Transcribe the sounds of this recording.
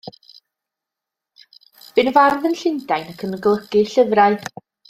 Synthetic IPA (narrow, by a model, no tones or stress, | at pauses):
b̥ɨnvarðənɬɪndajnəkʰəmnəɡlˠəɡ̥ɨɬəvraɨ